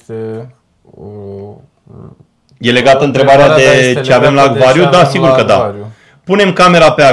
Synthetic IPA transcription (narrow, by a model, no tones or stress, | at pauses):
je̞le̞ɡat̪əɨnt̪ɾe̞baɾead̪e̞t͡ʃeave̞mlaːɡvaɾjud̪asiɡurkəd̪a̰ | pune̞mkame̞ɾapea